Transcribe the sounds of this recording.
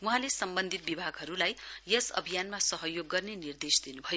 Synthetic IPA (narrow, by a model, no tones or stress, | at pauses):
wuɦãlesʌmbʌnd̪ʱit̪̚bibʱaɡɦʌɾulajjʌsʌ̰bʱijanmasʌɦʌjoɡːʌrnenird̪esd̪inubʱʌjo